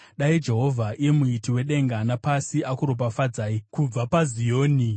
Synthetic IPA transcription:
ɗaid͡ʒe̞ɦo̞vʱaʔijemuitiwe̞ɗe̞ŋɡanapasiʔakuɾo̞p̬afad͡zaːikub͡vapazijo̞ːni

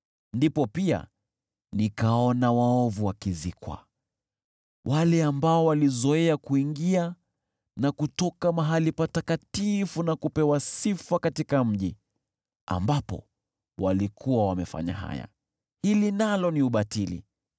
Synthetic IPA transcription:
ndipɔpia̰ | nikaɔnawaɔvuwakizikwa̰ | wʔalɛambaɔwalizɔɛakuiŋɡia | nakutɔkamaɦalipatakatifunakupɛwasifakatikam̩ʄi | a̰mbapɔ̰ | walikʰuwawamɛfa̰ɲa̰ɦa̰ja̰ | hilinalɔniuɓatilḭ

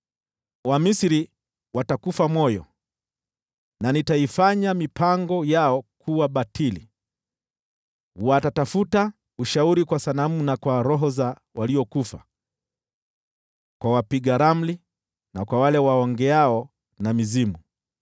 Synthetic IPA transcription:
wamisiɾi | watakufamɔjɔ̰ | nanitaifaɲamipaŋɡɔjaɔkʰuwaɓatʰilḭ | watatafuta | uʃauɾikwasanamunakwaɾɔɦɔza | waliɔkufa̰ | kwawapiɡaɾam̩li | nakwawalɛwaɔŋɡɛaɔ | namizimu

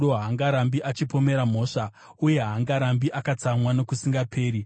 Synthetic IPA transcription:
oɦaŋɡaɾambiʔat͡ʃipo̞me̞ɾam̤o̞ːʂa | uje̞ɦaŋɡaɾambiʔakat͡samwano̞kusiŋɡapʰe̞ːɾi

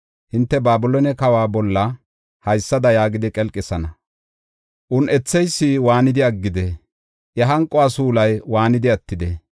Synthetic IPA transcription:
hɪnt̪ːɛbaːbʊlɔnɛkɐwaːbɔlːɐ | hɐjsːɐd̪ɐjaːɡɪd̪ɪkʼɛlkʼːɪsɐnɐ | ʔʊnʔɛt͡sːɛjsːɪwaːnɪd̪ɪɐɡːɪd̪ɛ | ʔɛɦɐŋkʼːʊwaːsuːlɐjwaːnɪd̪ɪɐt̪ːɪd̪ɛ

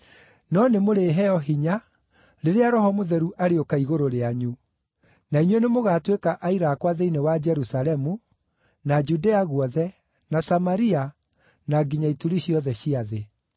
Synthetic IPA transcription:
nɔnemoɾeɦɛɔɦiɲa | ɾeɾeaɾɔɦɔmoðɛɾuʔaɾeokaiɣoɾoɾeaɲu | naiɲwenemoɣatwekaʔaiɾaːkwaðeinewad͡ʒɛɾusalɛmu | nad͡ʒudeaɣwɔðɛ | nasamaɾia | naɡiɲaituɾiɕiɔðɛɕiaðe

